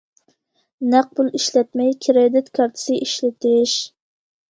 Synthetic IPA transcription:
næq̚pulˠiʃlɛt̪̚mɛjkʲʰiɾed̪ɪt̪kʰɑɾt̪ʰɪ̥sɪʔiʃlɪt̪ʰɪʃ

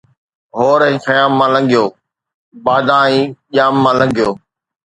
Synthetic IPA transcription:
ɦoːɾɛ̃ːxəjaːmːãːlə̃ŋɡʱɪjoː | baːd̪ãːĩːʄaːmːãːlə̃ŋɡʱijoː

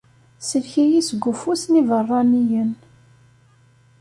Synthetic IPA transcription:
səlçijisɡʷːʊfusnivərˤːɑnijən

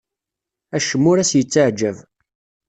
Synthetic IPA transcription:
æʃəmːʊɾæsjət͡sːaʕd͡ʒəv

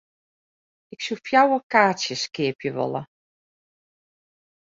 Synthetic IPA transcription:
ɪksufjawəkaːsjəskɪəpjəʋɔ̰lˠə̰

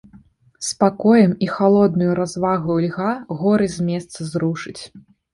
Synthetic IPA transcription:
spakɔjɐmixalˠɔd̪̚nujuɾazvaɣuulʲɣaɣɔɾɨzʲmʲɛst̪sɐzɾuʂɨt͡sʲ

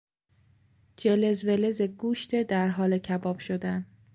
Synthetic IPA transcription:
d͡ʒelezvelezeɡuːʃt̪ʰed̪æɾɦɒːlecʰæbɒːb̥ʃod̪æn

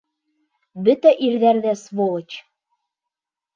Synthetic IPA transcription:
bɘ̆t̪ɘ̆ʔirðærðæsβolɤ̆t͡ɕ

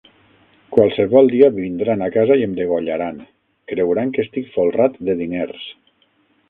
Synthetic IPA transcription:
kwalˠsəβɔlˠd̪iaβind̪ɾanakazaiemd̪eɣoʎaɾan | kɾewɾaŋkəst̪ikfolˠrat̪d̪əðineɾs

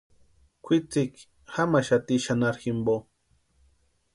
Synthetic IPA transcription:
kʷʰit͡sik | hamaʃat̪iʃanaɾximbo

